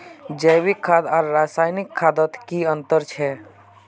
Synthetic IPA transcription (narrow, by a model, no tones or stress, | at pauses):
d͡ʒəːwɪkʰːaːd̪aːɾɾaːsaːjnɪkʰːaːd̪ət̪kiə̃nt̪əɾt͡ʃʰɛː